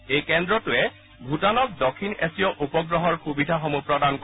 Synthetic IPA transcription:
ejkend̪ɹɔtuɛ | bʱutanɔk̚d̪ɔkʰːinesiɔʔupɔɡɹɔɦɔɹxubid̪ʱaxɔmupɹɔd̪ank

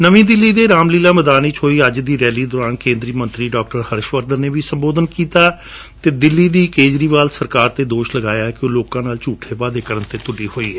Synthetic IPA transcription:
nəʋĩːd̪ɪlːiːd̪eːɾaːmliːlaːməd̪aːniːt͡ʃʰoːiːəd͡ʒd̪iːɾɛːliːd̪ɔːɾaːnkẽːnd̪ɾiːmə̃nt̪ɾiːɖɔːk̚ʈəɾhəɾʃʋəɾd̪əɾneːʋiːsəmboːd̪ənkiːt̪aː | t̪eːd̪ɪlːiːd̪iːkeːd͡ʒɾiːʋaːlsəɾkaːɾt̪eːd̪oːʃləɡaːjaːɛkɪõːloːkãːnaːlt͡ʃuːʈʰːeːpaːd̪eːkəɾənt̪eːt̪ʊɖiːɦoːiːɦɛː

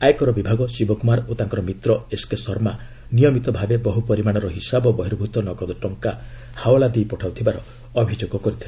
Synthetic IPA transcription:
ajekɔɾɔbibʱaɡɔsibɔkumaɾot̪aŋkɔɾɔmit̪ɾɔeskesɔɾma | nijɔmit̪ɔbʱabebɔɦupɔɾimaɽ̃ɔɾɔɦisabɔbɔɦiɾbʱut̪ɔnɔɡɔd̪ɔʈɔŋka | hawɔlad̪iipɔʈʰawt̪ʰibaɾɔ | ɔbʱid͡ʒoɡɔkɔɾit̪ʰile

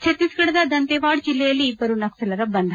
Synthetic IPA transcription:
t͡ʃʰet̪ːisɡɐɽɐd̪ɐd̪ɐnt̪eʋaːɽd͡ʒilːɛjɐlːiːbːɐɾunɐksɐlɐɾɐbɐnd̪ʱɐ

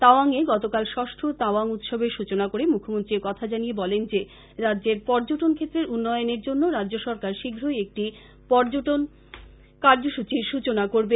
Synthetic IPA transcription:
t̪aoaŋeɡɔt̪okalʃɔʃʈʰɾot̪aoaŋut̪ʃɔbʱeʃut͡ɕonakoɾemukʰːomont̪ɾieɾkɔt̪ʰad͡ʑaniebɔlend͡ʑe | ɾadːd͡ʑeɾpɔɾd͡ʑoʈonkʰet̪ːɾeɾunːɔjoneɾd͡ʑonːoɾadd͡ʑoʃɔɾkaɾʃiɡʱɾoeek̚ʈi | pɔɾd͡ʑoʈon | kaɾd͡ʑoʃut͡ɕiɾʃut͡ɕonakoɾbe

